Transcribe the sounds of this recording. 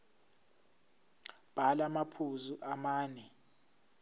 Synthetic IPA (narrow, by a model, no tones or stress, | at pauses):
b̥ʱalamapʰuzuʔamaːnɛ